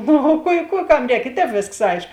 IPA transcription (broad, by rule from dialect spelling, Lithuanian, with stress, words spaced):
ˈnʊ oː ˈkuɔ ɪ ˈkuː ˈkɐm ˈrʲɛːk ɪ ˈtʲɛːp ˈʋʲeːsks ˈɐɪʃk